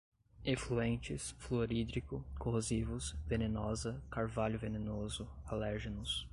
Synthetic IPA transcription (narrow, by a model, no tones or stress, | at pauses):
efluẽnt͡ʃɪsfloɾid̪ɾikʊkoɦozivʊsvenẽnɔzɐkaɾvaʎʊvenenozʊalɛɾʒenʊs